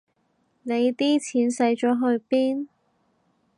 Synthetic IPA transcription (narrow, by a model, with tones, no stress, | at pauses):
ne˨˧jt̪iː˥t͡sʰiː˨˥nsɐ˨˧˥jt͡ʃɔː˨˥ɦɵ˧ɥpiː˥n